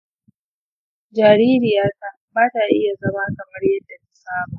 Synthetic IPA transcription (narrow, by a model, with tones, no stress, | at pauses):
d͡ʒaː˨ɽiː˦ɾɪ˨jaː˦ka˨baː˦ta˨ʔɪ˦ja˨zɐ˦maː˦kɐ˨mɐ˦rjɐ˦dːa˨ka˨saː˦mu˨